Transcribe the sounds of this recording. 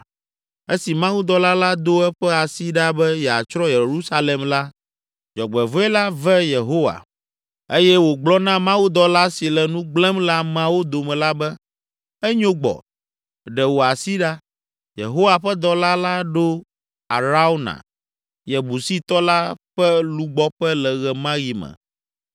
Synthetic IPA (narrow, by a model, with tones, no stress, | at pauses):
e˦si˨mã˦wu˦d̪ɔ˨la˦la˦d̪o˦ɛ˦ɸɛ˦a˨si˦ɖa˦bɛ˦jɛ˨a˨t͡ʃɾɔ˦je˨ɾu˦sa˦le˨mla˦ | d͡ʒɔ˨ɡ͡bɛ˨vɔ˦ɛ˦la˦vɛ˦je˨ɦo˦wa̰˨ | e˦jɛ˦wo˨ɡ͡blɔ˦nã˦mã˦wu˦d̪ɔ˨la˦si˨lɛ˨nũ˦ɡ͡blɛ̃˦mla˦mã˦wo˦d̪o˨mɛ̃˨la˦bɛ˦ | ɛ˦ɲõ˦ɡ͡bɔ̰˨ | ɖɛ˨wo˨a˨si˦ɖa˦ | jḛ˨ɦo˦wa˨ɸɛ˦d̪ɔ˦la˦la˦ɖo˦ | a˨ɾa˦o˦nã̰˨ | jɛ˨bu˨si˦t̪ɔ˦la˦ɸɛ˦lu˦ɡ͡bɔ˦ɸɛ˦lɛ˨ɣɛ˨mã˦ji˨mɛ̰˨